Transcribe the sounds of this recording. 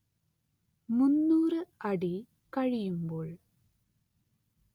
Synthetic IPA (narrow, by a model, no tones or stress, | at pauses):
munːuːrɨɐɽi | kɐɻijumboːɭ